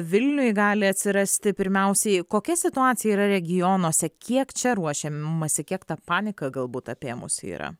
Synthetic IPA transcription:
ʋʲɪlʲnʲʊjɡɑːlʲɪɐt̪ʲsʲɪɾɐsʲt̪ʲɪpʲɪɾʲmʲɛʊsʲɛɪkoːkʲɛsʲɪt̪ʊɑːt̪t͡s̪ʲɪjɛiːɾɐɾʲɛɡʲɪjoːnuɔsʲɛkʲiɛkt͡ʃʲɛɾuɔʃʲemɐsʲɪkʲiɛkt̪ɐpɑːnʲɪkɐɡɐlˠbuːt̪ɐpʲeːmʊ̰sʲḭːɾɐ̰

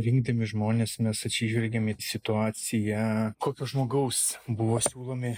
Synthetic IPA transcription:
ɾʲɪŋɡ̚d̪ɐmʲɪʒmoːnʲeːsmʲɛsɐt̪ʲsʲiːʒʲʋʲɛlʲɡʲemɪsʲɪt̪ʊɑːt͡ssʲɪjɛkoːkʲoːʒmoːɡɐʊsbʊʋoːsʲuːlˠoːmʲɪ

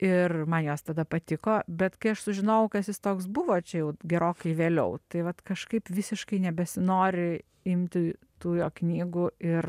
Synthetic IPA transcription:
ɪrmɐnjoːst̪ɐd̪ɐpɐt̪ʲɪkoːbʲɛt̪kɐɪɐʃsʊʒʲɪnɐʊkɐsjɪst̪oːksbʊʋoːt͡ʃʲɛjɛʊɡʲɛɾoːkɐɪʋʲeːlʲɛʊt̪ɐɪʋɐt̪kɐʃkɐɪpʋʲɪsʲɪʃkɐɪnʲɛbʲɛsʲɪnoːɾʲɪ | ɪmʲt̪ʲɪ | t̪uːjoːknʲiːɡuːɪr

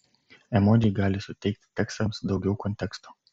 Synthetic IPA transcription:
ɛmod̪ʲɪjɡɑːlʲɪsʊt̪ʲɛɪk̚t̪ʲt̪ʲɛkst̪ɐmsd̪ɒʊɡʲɛʊkɔnʲt̪ʲɛkst̪o̥ː

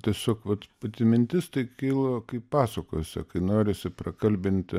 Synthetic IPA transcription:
t̪ʲiɛsʲoːkʋɐt̪pɐt̪ʲɪmʲɪnʲt̪ʲɪst̪ɐɪkʲiːlˠɐkɐɪppɑːsɐko̰ːjsʲɛ̰kɐɪnoːɾʲɪsʲɪprɐkɐlʲbʲɪnʲt̪ʲ

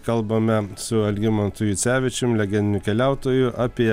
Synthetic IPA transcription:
kɐlˠbɐmʲɛsʊɐlʲɡʲɪmɐnt̪ʊjʊsʲæːʋʲɪt͡ʃʲɪmlʲɛɡʲɛnd̪ʲɪnʲʊkʲɛlʲæˑʊt̪oːjʊʔɐpʲiɛ

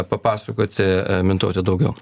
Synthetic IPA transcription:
pɐpɑːsɐkoːt̪ʲɪmʲɪnt̪oːt̪ʲɪd̪ɐʊɡʲɛʊ

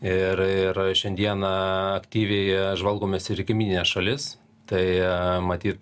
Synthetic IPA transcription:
ɪɾɪɾʃʲɛnʲd̪ʲiɛnɐɐkt̪ʲiːʋʲɛɪʒʋɐlˠɡoːmʲeːsɪɾkʲɪmʲiːnʲɪnʲeːsʃɐlʲɪs | t̪ɐɪmɐt̪ʲiːt̪

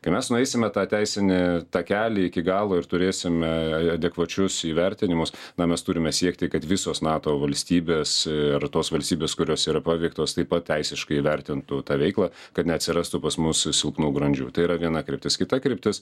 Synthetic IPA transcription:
kɐɪmʲɛsnʊɛɪsʲɪmʲɛt̪ɑːt̪ʲæɪsʲɪnʲɪt̪ɑːkʲæːlʲɪɪkʲɪɡɑːlˠoːɪɾt̪ʊɾʲeːsʲɪmʲɛɐd̪ʲɛkʋɐt͡ʃʲʊsiːʋʲɛɾʲt̪ʲɪnʲɪmʊsnɐmʲɛst̪ʊɾʲɪmʲɛsʲiɛkt̪ʲɪkɐt̪ʋʲɪsoːsnɑːt̪oːʋɐlʲsʲt̪ʲiːbʲeːsɐrt̪oːsʋɐlʲsʲt̪ʲiːbʲeːskʊɾʲoːsiːɾɐpɑːʋʲɛɪk̚t̪oːst̪ɐɪpɐt̪̚tʲɛɪsʲɪʃkɐɪiʋʲɛɾʲt̪ʲɪnt̪ʊt̪ɑːʋʲɛɪklˠɑː | kɐt̪nʲɛɐt̪ʲsʲɪɾɑːst̪ʊpɐsmʊssʲɪlˠpnuːɡɾɐnʲd͡ʒʲṵːt̪ɐɪiɾɐʋʲiɛnɐkɾʲɪp̚ʲt̪ʲɪskʲɪt̪ɐkɾʲɪpʲt̪ʲɪs

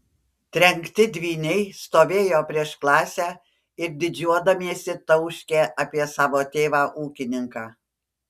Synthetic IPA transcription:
t̪ʲɾʲɛŋkt̪ʲɪd̪ʲʋʲiːnʲɛɪst̪oːʋʲeːjoːpʲɾʲiɛʃklˠɑːsʲæː | ɪɾd̪ʲɪd͡ʒʲuɔd̪ɐmʲiɛsʲɪt̪ɐʊʃʲkʲeːʔɐːpʲiɛsɑːʋoːt̪ʲeːʋɑːʔuːkʲɪnʲɪŋkɑː

